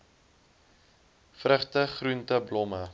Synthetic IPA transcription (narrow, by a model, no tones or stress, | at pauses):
frəχtəχruntəblɔmə